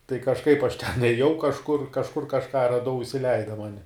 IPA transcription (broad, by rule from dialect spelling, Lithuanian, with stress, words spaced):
tɐɪ kɐʃˈkɐɪp ɐʃ tʲɛn eːˈjɛʊ kɐʃˈkʊr kɐʃˈkʊr kɐʃˈkɑː rɐˈdɐʊ ɪsʲɪˈlʲɛɪdɐ ˈmɑːnʲɪ